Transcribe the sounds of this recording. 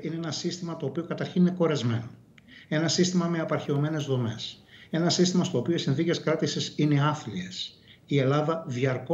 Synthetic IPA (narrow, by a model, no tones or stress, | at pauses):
ineenɐsist̪imɐt̪o̞ːpiokɐt̪ɐɾçinine̞ko̞ɾɐzme̞̰no | e̞nɐsist̪imɐme̞ɐpɐɾçeo̞me̞ne̞zðo̞me̞̰s | e̞nɐsist̪imɐst̪oːpioisinθice̞skɾɐt̪isisine̞ɐθlies | ie̞lɐðɐðiɐɾko